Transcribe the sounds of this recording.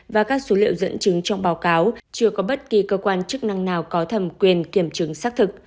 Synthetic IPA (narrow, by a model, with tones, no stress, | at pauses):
vaː˨˩kaː˦˥k̚so˨˦lḭ˧˨ə˨wzə̰˧˥nt͡ɕɨ˨˦ŋt͡ɕɔ˧wŋ͡mɓaː˨˦wkaː˨˦wt͡ɕɨ˧əkɔ˨˦ɓə˦˥t̚ki˨˩kəː˧kwaː˧nt͡ɕɨ˦˥k̚na˧ŋnaː˨˩wkɔ˨˦t̪ʰə˨˩mkwi˨˩ənki˧˩əmt͡ɕɨ˨˦ŋsaː˦˥k̚t̪ʰɨ˨˩k̚